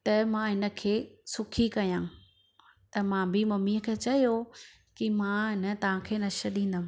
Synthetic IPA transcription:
t̪ɐmãɦɪnə̆kʰeːsʊkʰikɐjãː | t̪ɐmãbɪmɐmiəkʰet͡ɕɐjo | kimãɦɪnə̆t̪ɐʋ̤ãkʰeːnɐʃəɗĩːn̆d̪əm̃

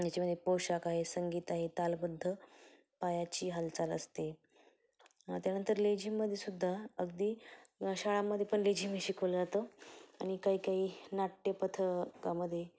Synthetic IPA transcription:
jat͡ɕaməd̪ʱːjepoɕakaɦesəŋɡiːt̪aɦet̪albəd̪ʱːə | pajat͡ɕiːɦalt͡salə̰st̪e | t̪janənt̪əɾled͡ʑiːmːəd̪ʱːjesud̪ʱːaəɡd̪iːɕaɭamːəd̪ʱːjepəɳled͡ʑiːmiɕikʰəʋləd͡zat̪oaɽ̃ikaɦiːkaɦiːnaʈjəpət̪ʰəkaməd̪ʱːje

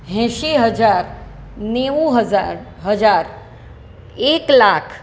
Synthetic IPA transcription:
ɦɛ̃ːʃiɦəd͡ʒaːɾ | neːũɦəzaɾɦəd͡ʒaːɾ | eːklaːkʰ

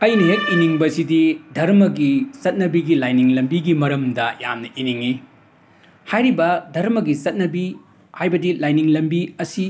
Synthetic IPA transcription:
ɐjnɐɦek̚iniŋbɐsididʱɐɾmɐɡisɐt̚nɐbiɡilajniŋlɐmbiɡimɐɾɐmdɐja̰mnɐʔiniŋi | hajɾibɐdʱɐɾmɐɡisɐt̚nɐbi | hajbɐdilajniŋlɐmbiɐsi

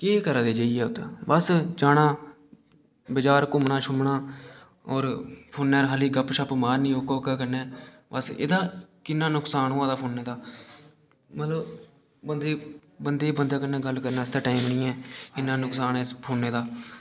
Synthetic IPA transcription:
keːkəɾãːd̪eːd͡ʒaːiɛːʊt̪ːbəsd͡ʒaːɽãː | bəd͡ʒaːɾkʊmɳaːt͡ʃʰʊmɳaː | ɔːɾpʰoːnːɛːɾɦaːliːɡəpʃəpmaːɾnĩːoːkoːkaːkəɾnɛː | bəsḛd̪aːkɪnːaːnʊksaːnɦoːãːd̪aːpʰoːnːeːd̪aː | mət̪ləb | bənd̪eːbənd̪eːbənd̪aːkənːɛ̃ːɡəlkəɾnaːɪsd̪aːʈaːimnĩːɛːkɪnːãːnʊksaːnɛːspʰoːnːeːd̪aː

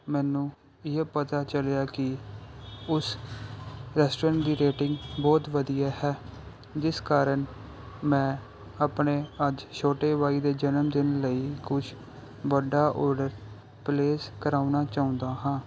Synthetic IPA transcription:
mɛːnũː | ɪepət̪aːt͡ʃəljaːkɪ | ʊs | ɾɛːsʈoːɾə̃ɳʈd̪iːɾeːʈɪ̃ŋɡbɔːt̪ʋəd̪ijaːɦɛː | d͡ʒɪskaːɾən | mɛ̃ː | aːpɳeːəd͡ʒʃʰoːʈeːʋaːiːd̪eːd͡ʒənəmd̪ɪnləiːkʊt͡ʃʰ | ʋəɖːaːʔoːɾɖəɾ | pleːskəɾaːunaːt͡ʃaːʊ̃nd̪aːɦãː

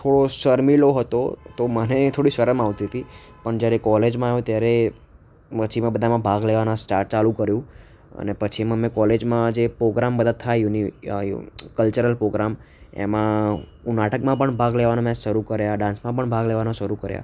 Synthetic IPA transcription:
t̪ʰoɽoʃəɾmiloɦət̪o̰t̪omənet̪ʰoɽiʃəɾəmaʋt̪iɦət̪i | pəɳd͡ʒjaɾekɔled͡ʒmãaɦjũt̪jaɾe | mət͡ʃʰimãbəd̪ʱamãbʱaɡleʋanãsʈaʈ̚t͡ʃalũkəɾjũ | ə̰nepət͡ʃʰimãmẽkɔled͡ʒmãd͡ʒepɾoɡɾambəd̪ət̪ʰːajuni | kəlt͡ʃəɾəlpɾoɡɾam | ḛmã | unaʈəkmãpəɳbʱaɡleʋanõmãʃəɾukəɾjaɖãnsmãpəɳbʱaɡleʋanõʃəɾukəɾja̰

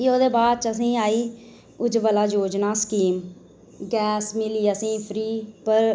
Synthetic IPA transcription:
eːoːd̪eːbaːd̪̚t͡ʃəsĩːaːiː | ʊd͡ʒʋəlaːd͡ʒoːd͡ʒnaːskiːm | ɡɛːsmɪliːəsĩːpʰɾiːpəɾ

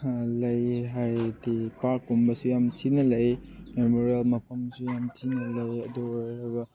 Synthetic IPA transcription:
lɐjɦajdipaɾkːumbɐsujamtʰinɐlɐjmemoɾielmɐpʰɐmsujamtʰinɐlɐjɐdujɾɐbɐ

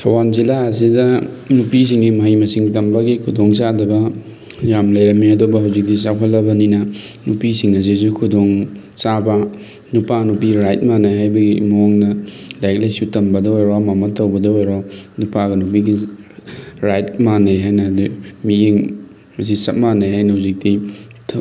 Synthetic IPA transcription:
tʰɐwanzilaɐsidɐ | nupis̬iŋɡimɐɦijmɐsiŋtɐmbɐɡikʰudoŋsadɐbɐ | jamlɐjɾɐmːiɐdobɐɦawzik̚dis̬apʰɐlːɐbɐninɐ | nupisiŋɐs̬izukʰudoŋ | sabɐ | nupanupiɾajt̚manajɦajbɐɡimoŋnɐlajk̚lɐjsutɐmbɐdɐojɾomamɐtɐwbɐdɐojɾonupaɡɐnup̬iɡi | ɾajt̚manajɦajnɐdumiiŋ | ɐs̬isɐt̚manajhajnɐhawzik̚di

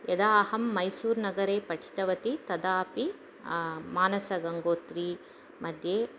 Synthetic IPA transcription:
jɐd̪aːɦɐmːɐjsuːɾnɐɡɐɾeːpɐʈʰi̥t̪ɐʋɐt̪it̪ɐd̪aːpi | maːnɐsɐɡɐŋɡoːt̪ɾiː | mʔɐd̪ʱjeː

